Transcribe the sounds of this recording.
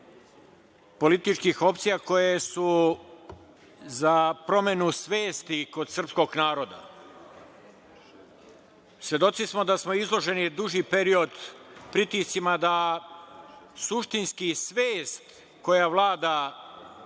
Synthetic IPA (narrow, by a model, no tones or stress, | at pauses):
po̞lit̪it͡ʃkixo̞pt̪sijako̞jesu | zapɾo̞me̞nusʋe̞ːst̪iko̞d̪sr̩psko̞ɡnaːɾo̞d̪a̰ | sʋje̞d̪o̞t̪sismo̞d̪asmo̞izlˠo̞ʒe̞nid̪uʒipe̞ɾio̞d̪pɾit̪ist̪simad̪a | suʃt̪inskisʋeːst̪ | ko̞jaʋlˠaːd̪a